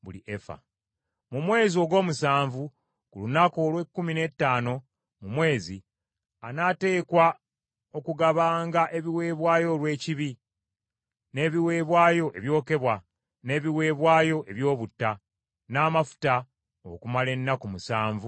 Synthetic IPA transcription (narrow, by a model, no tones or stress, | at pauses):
βuliʔefa̰ | mumwe̞ːzio̞ɡo̞ːmusaːɱvu | kulunako̞lwe̞kːumine̞tːaːno̞ | mumwe̞ːzi | anate̞ːkwa | o̞kuɡaβaːŋɡaʔe̞βiwe̞ːβwaːjo̞lwe̞ːciβi | ne̞ːβiwe̞ːβwaːjo̞ʔe̞βjo̞ːke̞βwa | ne̞ːβiwe̞ːβwaːjo̞ʔe̞βjo̞ːβutːa | naːmafu̥ta | o̰kumale̞nːakumusaːɱvu